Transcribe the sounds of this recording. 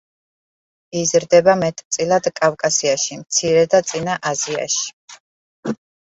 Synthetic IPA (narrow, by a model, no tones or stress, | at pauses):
izɾd̪ɛbamɛt̪ʼt̪sʼilˠad̪̥kʼavkʼasiaʃimt̪sʰiɾɛd̪at̪sʼinaʔazia̰ʃi̥